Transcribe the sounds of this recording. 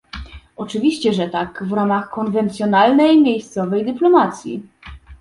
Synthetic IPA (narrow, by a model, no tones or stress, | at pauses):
ɔt͡ʂɘvʲiɕt͡ɕɛʐɛt̪akvɾamaxkɔnvɛnt̪sʲjɔnalnɛjmʲjejst̪sɔvɛjd̪ɘplɔmat̪sʲjḭ